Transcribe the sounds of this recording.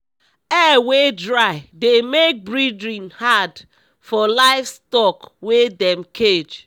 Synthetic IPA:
ɛwedɹaɪdemek̚bɹidɹĩnhad | fɔlaɪfstɔkwedɛ̃mkʰed͡ʒ

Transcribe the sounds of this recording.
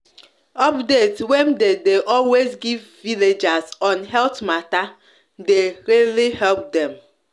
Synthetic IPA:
ɔpdetwemdedeʔɔlwezɡivviled͡ʒazɔnɦɛltmata | deɾelihɛlp̚dɛm

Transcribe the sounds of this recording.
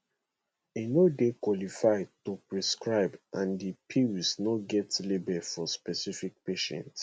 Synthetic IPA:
enodekwɔlifaɪtopɹiskɹaɪbʔãndipʰiwsnɔɡɛtlebɛfɔspɛsifik̚peʃɛ̰̃nt

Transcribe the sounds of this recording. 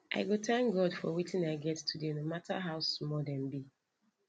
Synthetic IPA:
ʔa̰ɪɡotʰãŋkɡɔdfɔ̰witĩnaɪɡɛtːʰudenomatʰa̰ɦaʊsmɔdɛ̃mbi

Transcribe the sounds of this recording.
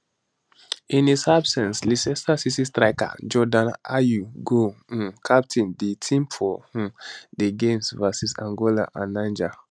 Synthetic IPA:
ĩnisabsɛ̃nslisɛsasisistɹaɪka̰d͡ʒɔdãnajuɡõkʰap̚tʰĩnditʰĩmfɔhũdeɡẽmsvasisã̰ŋɡɔla̰ʔã̰nãnd͡ʒa

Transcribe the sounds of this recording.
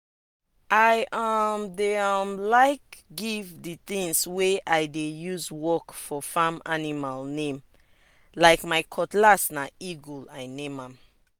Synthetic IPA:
ʔajamdeamlaɪkɡivdit̪ĩŋsweʔajdejuzwɔkfɔfãmanimalnẽm | laɪkmajkʰɔtlasnaiɡulajnẽmãm

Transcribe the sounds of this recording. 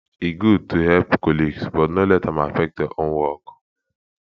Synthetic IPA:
iɡud̚tʰuhɛlpkɔliɡsbɔtnolɛtãmafɛk̚tjɔʔõnwɔk

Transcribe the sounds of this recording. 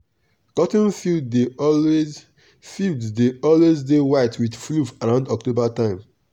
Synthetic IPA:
kɔtĩnfidde | filddeʔɔlwezdewaɪtʰwiθflufaɹãʊ̃ndɔk̚tobatãɪ̃m

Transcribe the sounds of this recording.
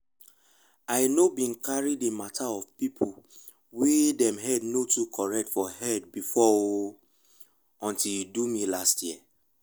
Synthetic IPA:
aɪnobĩnkaɹidematʰaɔvpipʰu | wedɛ̃mɦɛdnotukʰɔɹɛk̚tfɔɦɛd̚bifɔo | ɔ̃ntiljudumilastjiɛ

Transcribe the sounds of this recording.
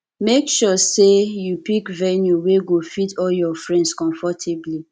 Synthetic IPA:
mekʃɔsejupikvɛnjuweɡofitʰɔljɔfɹɛ̃ndskɔ̃ɱfɔtʰebli

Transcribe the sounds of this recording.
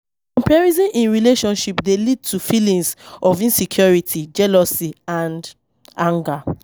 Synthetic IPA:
kɔ̃mpɛɹizĩnʔĩnɹileʃɔ̃nʃipdelid̚tʰufilĩŋsɔvĩnsikʰjɔɹitʰid͡ʒɛlɔsiãnd | ãŋɡa

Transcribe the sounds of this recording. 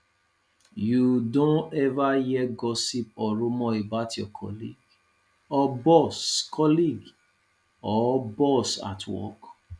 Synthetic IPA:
judõɛvajɛɡɔsip̚ɔɾũmɔ̃ebatjɔkʰɔ̰lḭɡ | ɔbɔskʰɔliɡ | ɔbɔsa̰tʰwɔ̰k

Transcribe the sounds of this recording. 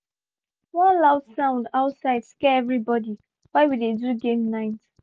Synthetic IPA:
wɔ̃nlaʊdsãʊ̃ndaʊtsaɪd̥skɛɛvɹibɔdi | waɪwideduɡẽmnaɪt

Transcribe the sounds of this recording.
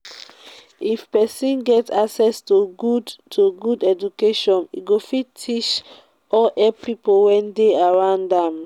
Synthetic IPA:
ifpɛsĩnɡɛtaksɛstuɡudtʰoɡudɛd͡ʒukeʃɔ̃nḭɡofitʰit͡ʃ | ɔlʔɛppipowɛ̃ndeaɹãʊndãm

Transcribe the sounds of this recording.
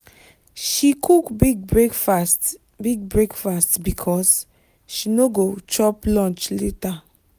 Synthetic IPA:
ʃikʰukbiɡekfast | biɡ̚bɹekfastbikʰɔs | ʃinoɡot͡ʃɔplɔ̃nt͡ʃleta

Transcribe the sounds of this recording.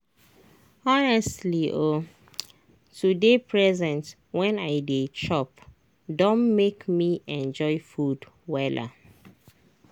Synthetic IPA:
ɔnɛstliʔo | tudepʰɹɛzɛ̃nt | wɛ̃naɪdet͡ʃɔp | dõnmekmiɛ̃nd͡ʒɔɪfud | wɛla̰

